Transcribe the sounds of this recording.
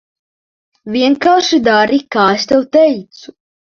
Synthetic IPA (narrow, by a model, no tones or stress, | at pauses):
vʲiɛŋkaːʃid̪aɾikaːest̪ɛwt̪ɛjt̪su̥